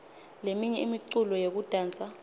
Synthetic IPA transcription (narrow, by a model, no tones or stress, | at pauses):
lemiɲɛimiǀulɔjek̬ud̥ʱaːnt͡sʼa